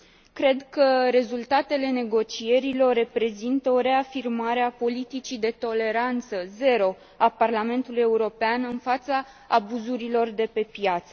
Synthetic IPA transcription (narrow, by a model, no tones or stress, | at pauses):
kɾe̞d̪kəɾe̞zult̪at̪e̞le̞ne̞ɡo̞t͡ʃie̞ɾilo̞rːe̞pɾe̞zint̪əoɾe̞afirmaɾe̞apo̞lit̪it͡ʃid̪e̞t̪o̞le̞ɾant̪səze̞ɾo̞ | aparlame̞nt̪uluje̞uɾo̞peanɨnfat̪saː | buzuɾilo̞rd̪e̞pe̞pjat̪sə